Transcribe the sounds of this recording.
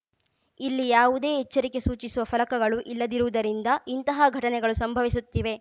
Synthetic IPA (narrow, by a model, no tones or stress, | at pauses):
ilːijaːʋud̪e̞ːɦɛt͡ʃːɐɾike̞suːt͡ʃisuʋɐfʰɐlɐkɐɡɐɭuʔilːɐd̪iɾuʋud̪ɐɾind̪ɐint̪ɐɦɐɡʱɐʈɐnɛɡɐɭusɐmbʱɐʋis̬ut̪ːiʋe̞